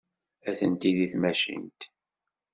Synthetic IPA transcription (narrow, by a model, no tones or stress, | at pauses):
æθənt̪iðiθmæʃḭnt̪